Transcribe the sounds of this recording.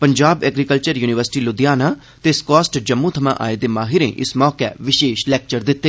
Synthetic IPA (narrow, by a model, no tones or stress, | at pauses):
pəɲd͡ʒaːbɛːɡɾikəlt͡ʃəɾjuːnɪʋəɾsɪ̥ʈiːlʊd̪ɪjaːnaː | t̪eskɔːsʈd͡ʒəmːũːt̪ʰəmã̰ːʔa̰ːeːd̪eːmaːɦɪɾḛ̃ːʔɪsmɔːkɛ̰ːʋɪʃeːʃlɛːk̚t͡ʃəɾd̪ɪt̪ːeː